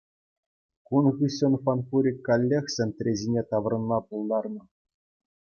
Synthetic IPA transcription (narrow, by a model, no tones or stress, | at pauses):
kunɣɯɕʲɤ̆nfɑnfuɾʲikʲːɑlʲːexʲsʲĕnʲt̪ʲrʲezʲinʲet̪ɑʋrɤ̆nmɑpulˠd̪ɑrnɤ̆